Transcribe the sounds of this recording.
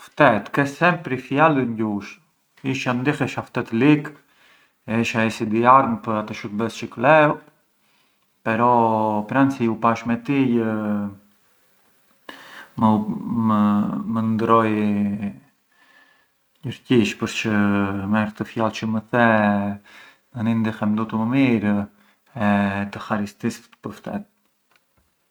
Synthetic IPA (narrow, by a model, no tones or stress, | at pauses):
ft̪ɛt̪kɛsɛmpɾifjaliɲɟuʃ | iʃand̪ixɛʃaft̪ɛt̪lik | ɛiʃaisid̪iaɾmpəɾat̪ɔʃut̪bɛst͡ʃəklɛu | pɛɾɔpɾansiupaʃmɛt̪ijə | məməmənd̪ɾɔj | ɲəɾciʃpəɾt͡ʃəmɛɾt̪əfjalt͡ʃəməθɛ | nənind̪ixɛmd̪ɔt̪əməmiɾ | ɛt̪əxaɾist̪isət̪ə̥pəɾft̪ɛ̰t̪̚